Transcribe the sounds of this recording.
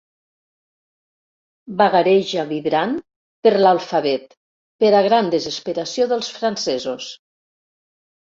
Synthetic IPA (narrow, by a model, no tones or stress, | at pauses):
baɣaɾɛʒaβiβɾan | pəɾlalˠfaβɛt̪ | peɾaɣɾand̪əzəspəɾasjoðəlˠsfɾansɛzus